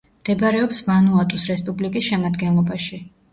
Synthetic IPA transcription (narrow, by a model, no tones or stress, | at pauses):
md̪̥ɛbɾɛɔpsvanuat̪ʼusɾɛspʼublikʼisʃɛmad̪ɡɛnlˠɔbaʃi